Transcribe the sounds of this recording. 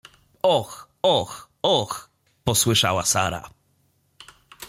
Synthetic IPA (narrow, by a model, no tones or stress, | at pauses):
ɔx | ɔx | ɔx | pɔswɘʂawasa̰ɾa̰